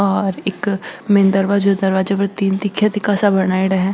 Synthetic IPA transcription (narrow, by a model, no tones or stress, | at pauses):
ɔːɾɪkmeːnd̪ɐɾʋad͡ʒod̪ɐɾʋaːd͡ʒɐpɾɐt̪iːnd̪ɪkʰːjət̪ikasabɐnaːiɽɐɦɛ̃ː